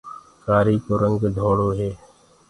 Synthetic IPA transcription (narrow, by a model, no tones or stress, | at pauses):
kaːɾiːkoːɾə̃ŋɡd̪ʱoːɽoːɦɛː